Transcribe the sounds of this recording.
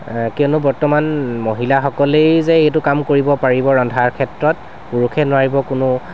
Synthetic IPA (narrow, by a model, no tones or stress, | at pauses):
kiɔnʊbɔɹtɔmanmoɦilaxɔkɔlejzɛetʊkamkoɹibɔpaɹibɔɹɔndʱaɹkʰɛtɹɔt | puɹukʰɛnʊaɹibɔkʊnʊ